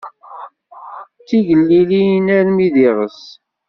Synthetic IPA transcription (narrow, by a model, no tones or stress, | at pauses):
t͡sːiʝəlːilinæɾmiðiʁəs